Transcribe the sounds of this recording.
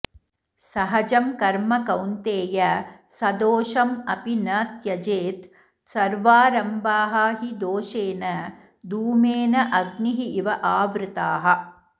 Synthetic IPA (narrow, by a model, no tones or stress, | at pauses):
sɐɦɐd͡ʒɐmkɐɾmɐkɐwnt̪eːjɐsɐd̪oːʂɐmɐpinɐt̪jɐd͡ʒeːt̪ | sɐɾʋaːɾɐmbaːɦɐɦid̪oːʃeːnɐ | d̪uːmeːnɐʔɐɡniɦiʔiʋɐʔaːʋɾɪt̪aːɦɐ